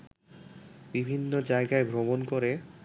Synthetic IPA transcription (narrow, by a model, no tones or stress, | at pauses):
bibʱinːod͡ʑaeɡaebʱɾomonkoɾe